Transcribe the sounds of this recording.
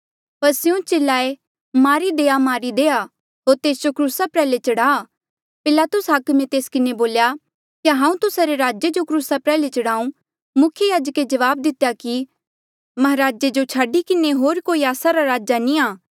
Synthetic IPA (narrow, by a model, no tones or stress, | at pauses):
pɐɾsɪũt͡ʃelːaːe | maːɾid̪eːamaːɾid̪eːa | ɦoːɾt̪eːsd͡ʒokɾuːsapɾɛːlet͡ʃɐɽaː | pɪlaːt̪ʊsɦakmẽt̪eːskɪneboːlja | kaɦãːũt̪ʊsaɾeɾaːd͡ʒed͡ʒokɾuːsapɾɛːlet͡ʃɐɽaːũ | mʊkʰjəjaːd͡ʒked͡ʒɐʋaːb̚d̪ɪt̪ejaki | mɐɦɾaːd͡ʒed͡ʒot͡ʃʰaːɖikɪneɦoːɾkoːiaːsaɾaɾaːd͡ʒanĩaː